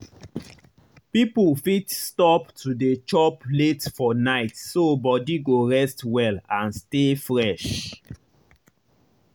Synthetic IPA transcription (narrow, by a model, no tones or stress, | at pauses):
pipulfitstɔptʰudet͡ʃɔpletfɔnaɪtsobɔdiɡoɹɛstwɛlãnstefɹɛʃ